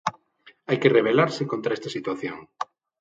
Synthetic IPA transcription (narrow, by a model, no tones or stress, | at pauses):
ajkereβ̞elaɾsɪkont̪ɾaest̪asit̪waθjo̰ŋ